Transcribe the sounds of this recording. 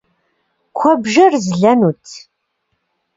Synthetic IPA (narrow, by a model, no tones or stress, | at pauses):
kʷʰɐbʒɐrzɮɐnutʰ